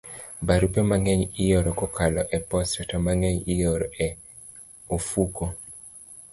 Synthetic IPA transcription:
baɾupemaŋɛɲijoɾɔkɔkʰalɔʔɛpɔstatamaŋɛɲijoɾɔɛ | ofuko

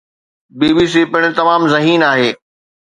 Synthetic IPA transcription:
biːbiːs̬ipɪɽ̃ɪ̆t̪ɐmaːmzɐɦiːnaːɦeː

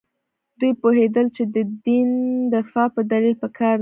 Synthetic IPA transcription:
d̪ujpohed̪əlt͡ʃed̪əd̪ind̪ɪfɑpəd̪alilpəkʰɑɾ

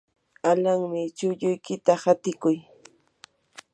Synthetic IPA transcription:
alaŋmɪt͡ʃʊʎʊjkɪt̪ahat̪ɪkʊj

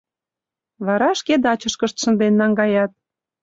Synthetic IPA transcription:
βɑɾɑʃked̪ɑt͡ɕə̆ʃkə̆ʃt̪ʃə̆nd̪enːɑŋɡɑjɑt̪̚

